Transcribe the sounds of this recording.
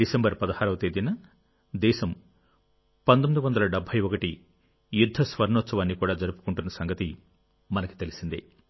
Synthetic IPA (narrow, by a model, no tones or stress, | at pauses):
ɖisembɐɾpɐd̪ɐhaːɾɐʋɐt̪eːd̪inɐ | d̪ɛːʃɐm | pɐnd̪omid̪uʋɐnd̪ɐlɐɖɐbʱːɐjɔkɐʈi | jud̪ʱːɐsʋɐɾɳɔːt̪sɐʋaːnːikuːɽaːd͡ʒɐɾupu̥kuɳʈunːɐsɐŋɡɐt̪i | mɐnɐku̥t̪e̞lisind̪ḭ